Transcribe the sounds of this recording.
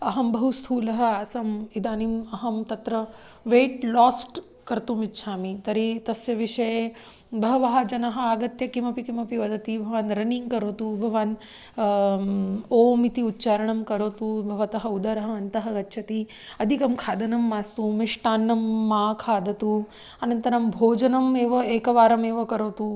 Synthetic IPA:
ɐɦɐmbʱɐɦust̪ʰuːlɐɦɐaːsɐmid̪aːnimɐɦɐmt̪ɐt̪ɾɐ | ʋeːʈlaːsʈ | kɐɾt̪umitːʃʰaːmit̪ɐɾit̪ɐsjɐʋiʂɐje | bʱɐɦɐʋɐɦɐd͡ʒɐnɐɦɐ̆aːɡɐt̪jɐkimɐpikimɐpiʋɐd̪ʱɐt̪ibʱɐʋaːnɾɐniŋɡkɐɾoːt̪ubʱɐʋaːn | oːmit̪iutːt͡ʃaːɾɐɳɐmkɐɾoːt̪ubʱɐʋɐt̪ɐɦɐud̪ɐɾɐɦɐ̆ɐnt̪ɐɦɐɡɐtːʃʰɐt̪i | ɐd̪ʱikɐmkʰaːd̪ɐnɐmːaːst̪umiʂʈaːnːɐmːaːkʰaːd̪ʱɐt̪u | ɐnɐnt̪ɐɾɐmbʱoːd͡ʒɐnɐmeːʋɐeːkɐʋaːɾɐmeːʋɐkɐɾoːt̪u

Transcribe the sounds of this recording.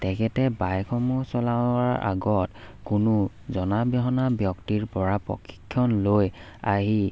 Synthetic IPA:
tɛkʰɛtɛbajkʰɔmusɔlaaɹʔa̰ɡɔtkʊnʊ | zɔnabɔɦɔnabjɔktiɹpɔɹapɹɔ̰kʰːi̥kʰːjɔnlojaɦi

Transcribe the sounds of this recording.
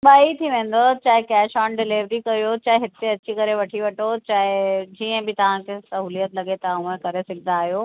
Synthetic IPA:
baːit̪ʰiʋẽːn̆d̪ot͡ɕaːɦɪkɛːʃaːnɖɪliːʋɾikɐjot͡ɕaːɦeɦɪt̪eɐt͡ɕikɐɾeʋɐʈʰiʋɐʈʰot͡ɕaːɦɪd͡ʑiːə̃bɪt̪ɐʋ̤ãkʰeːsɐɦuːlijət̪lɐɠet̪ɐũə̃kɐɾesɪɡʱɪd̪aːɦijoː

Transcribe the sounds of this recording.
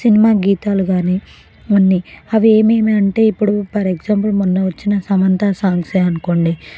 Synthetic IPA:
sinimaːɡiːt̪aːluɡaːni | unːiɐʋie̞ːmeːmiɐɳʈe̞ːipːuɽupɐɾeɡd͡ʒaːmpulmunːɐʋɐt͡ʃːinɐsɐmɐnt̪ɐsaːŋseɐnuko̞ːɳɖi

